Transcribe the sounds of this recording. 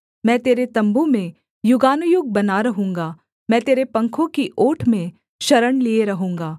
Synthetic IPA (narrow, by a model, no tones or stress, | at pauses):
mɛ̃ːt̪eːɾet̪ɐ̃mbumẽ | jʊɡaːnʊjʊɡ̚bɐnaɾɐɦũːŋɡaː | mɛ̃ːt̪eːɾepɐ̃ŋkʰõkiʔoːʈʰmẽ | ʃɐɾəɽlieɾɐɦũːŋɡaː